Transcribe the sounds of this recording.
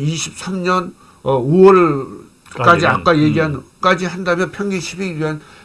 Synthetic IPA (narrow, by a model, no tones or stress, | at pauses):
iɕʰip̚sʰamɲʌn | uwol | kad͡ʑiak͈ajeɡiɦankad͡ʑiɦandamjʌnpʰjʌŋɡiɕʰipiɡian